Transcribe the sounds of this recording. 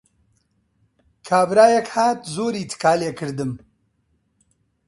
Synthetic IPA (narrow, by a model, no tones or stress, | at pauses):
kʰaːbɾaːjɛkhaːt̪zoːɾiːt̪ʰɨ̥kaːleːkʰɨɾd̪ɨm